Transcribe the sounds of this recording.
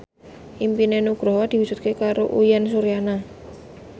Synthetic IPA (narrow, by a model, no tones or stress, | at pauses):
ʔimpinenuɡ̥ɾɔɦwad̪̥i̤wu̥d͡ʒ̥ṳt̪̚kekaɾoʔujɛnsuɾijana